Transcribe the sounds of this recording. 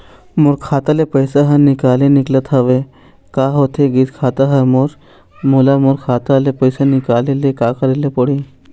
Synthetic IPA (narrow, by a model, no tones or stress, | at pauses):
mʊɾkʰaːt̪alepəjsaɦɐnɪkaːlenɪklət̪ʰɦɐʋe | kaːɦot̪ʰeɡit̪kʰaːt̪aɦɐmoɾ | molamʊɾkʰaːt̪alepəɪsanɪkaːlelekaːkɐɾelepəɽi